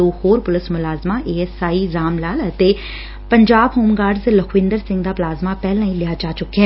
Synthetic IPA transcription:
oːhoːɾpʊlɪsmʊlaːzmaʔeːesaːizaːmlaːlɐt̪e | pɐ̃ɲd͡ʑaːbɦoːmɡaːɾɖzlɐkʰʋɪ̃ːnd̪əɾsɪ̃ŋɡd̪aplaːzmapɛɦlãːĩlɪat͡ʃaːt͡ʃʊkʰeː

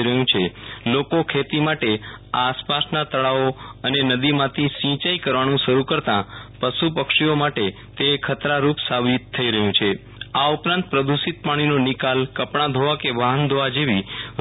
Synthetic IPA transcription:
ɾəɦjũt͡ʃʰelokokʰet̪imaʈeaspasnat̪əɭaoənenəd̪imãt̪ʰisĩt͡ʃaikəɾʋanũʃəɾukəɾt̪ãpəsupəkʂiomaʈe | t̪eːkʰːət̪ɾaɾupsabit̪ʰːəiɾəɦjũt͡ʃʰe | aupɾãnt̪̚pɾəd̪usit̪̚paɽ̃inonikalkəpɳãd̪ʱoʋakeʋaɦənd̪ʱoʋad͡ʒeʋi

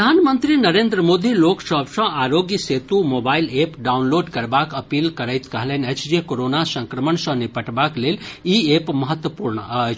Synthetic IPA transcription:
d̪ʱanmənt̪ɾinəɾend̪ɾəmod̪iloksəbsə̃aɾoɡjəset̪umobailepɖaunloːɖkəɾbakəpilkəɾəjt̪kəɦlənəjt͡ʃʰd͡ʒekoɾonasə̃ŋkɾəməɳsə̃nipəʈbakleliepməɦət̪wəpuɾɳəət͡ʃʰ

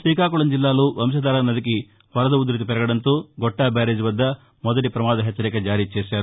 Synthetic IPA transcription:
sʋiːkaːkuɭɐmd͡ʒilːaːloːʋɐmʃɐd̪aːlɐnɐd̪ik̬i | ʋɐɾɐd̪ɐud̪ɾɐt̪̬ipɛɾɐɡɐɽɐnt̪oːɡɔʈːaːbaːɾeːd͡ʒuʋɐd̪ːɐ | mɔd̪ɐʈipɾɐmaːd̪ɐɦɛt͡ʃːɐɾɛkɐd͡ʒaːɾiːt͡ʃɛːʃaːɾu

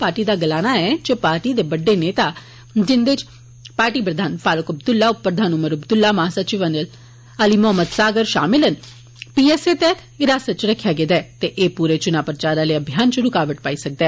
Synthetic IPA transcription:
paːɾʈiːd̪aːɡəlaːnaːɛːd͡ʒəpaːɾʈiːd̪eːbəɖːeːneːt̪aː | d͡ʒɪnd̪et͡ʃ | paːɾʈiːpɾəd̪ʱaːnpaːlʊkəbd̪ʊlːaːʊppɾəd̪ʱaːnʊməɾəbd̪ʊlːaːmaɦasət͡ʃɪʋənəl | əliːmʊɦəmːəd̪saːɡəɾʃa̰ːmɪlən | piːɛːseːt̪ɛːt̪ʰɪɾaːsət̪̚t͡ʃɾəkʰːjaːɡed̪ɛːt̪eʔeːpuːɾeːt͡ʃʊnaːpɾət͡ʃaːɾaləəbʱɪjaːnt͡ʃɾʊkaːʋəʈpaːiːsək̚d̪ɛː

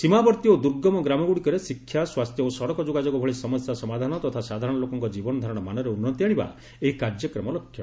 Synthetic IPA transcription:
simabɔɾt̪iod̪uɾɡɔmɔɡɾamɔɡuɽikɔɾesikʰːjaswast̪ʰjɔosɔɽɔkɔd͡ʒoɡad͡ʒɔɡɔbʱɔɭisɔmɔsjasɔmad̪ʱanɔt̪ɔt̪ʰasad̪ʱaɾɔɽ̃ɔlokɔŋkɔd͡ʒibɔnɔd̪ʱaɾɔɽ̃ɔmanɔɾeunːɔt̪iaɽ̃iba̰ | eɦikaɾd͡ʒjɔkɾɔmɔlɔkʰːjɔ

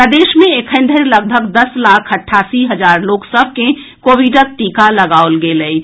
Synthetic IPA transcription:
pɾəd̪eʃmẽekʰənd̪ʱəɾləɡ̚bʱəɡd̪əslakʰəʈʰasiɦəd͡ʒaɾloksəbʱke | kobiɖək̚ʈikaləɡaolɡeləi

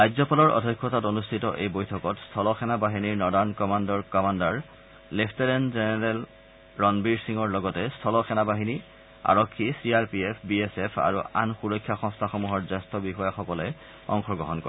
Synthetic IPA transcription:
ajzɔpalɔɹʔɔ̰dʱɔjkʰːɔtatonustʰitɔʔejbojtʰɔkɔtstʰɔlɔxʰɛnabaɦiniɹnɔdankɔmandɔɹkɔmandaɹ | lepʰtɛɹɛnzenɛɹɛl | ɹɔnbiɹsiŋɔɹlɔɡɔtɛstʰɔlɔxʰɛnabaɦini | a̰ɹɔkʰːisiaɹpiepʰbiesepʰa̰ɹṵʔa̰nxuɹɔjkʰːjaxɔ̃ŋstʰaxɔmuɦɔɹzɛstʰɔbixɔjaxɔkɔlɛ | ɔ̰ŋxɔɡɹɔɦɔnkɔ̰ɛ

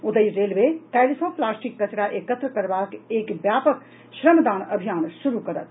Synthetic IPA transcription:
ʊd̪əjɾeːlmet̪ɛlisõplaːsʈikːət͡ʃɽaʔekət̪ɾəkəɾbaːkeːkbjaːpək | ʃɾəmd̪aːnɐbʱijaːnʃuɾukɐɾə̰t̪̚

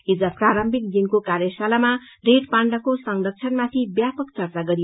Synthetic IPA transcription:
ɦid͡zʌpraɾʌmbʱik̪̚ɡinkokarjʌsalama | reʈpaɳɖʌkosʌŋlʌk̚t͡sʰʌnmat̪ʰibjapʌkt͡sʌrt͡saɡʌɾi

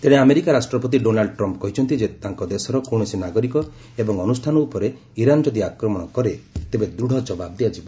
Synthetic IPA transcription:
t̪eɽ̃eameɾikaɾasʈɾɔpɔt̪̬iɖonalɖɔʈɾɔmpkɔɦit͡ʃʰɔnt̪id͡ʒet̪aŋkɔd̪esɔɾɔkoɽ̃ɔsinaɡɔɾikɔ | ebɔŋɔnust̪ʰanɔupɔɾe | iɾanɔd͡ʒɔd̪iakɾɔmɔɽ̃ɔkɔɾet̪ebed̪ɾuɽ̤ʱɔd͡ʒɔbab̚d̪iad͡ʒibɔ

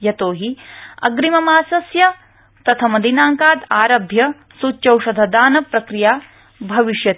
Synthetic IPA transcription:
jɐt̪oːɦiɐ̰ɡɾimɐmaːsɐsjɐ | t̪ɐt̪ʰɐmɐd̪ʱinaːŋkaːd̪aːɾɐbʱjɐ | sut͡ʃɐwʃɐd̪ʱɐd̪aːnɐpɾɐkɾijaː | bʱɐʋiʃjɐt̪

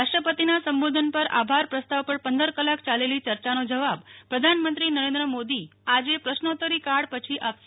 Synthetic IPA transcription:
aʂʈɾəpət̪inasəmbod̪ʱənpəɾa̰bʱaɾpɾəst̪aʋpəɾpənd̪əɾkəlakt͡ʃalelit͡ʃəɾt͡ʃanod͡ʒəʋabpɾəd̪ʱanmənt̪ɾinəɾẽnd̪ɾəmod̪iad͡ʒepɾəʃnot̪əɾikaɽpət͡ʃʰiʔap

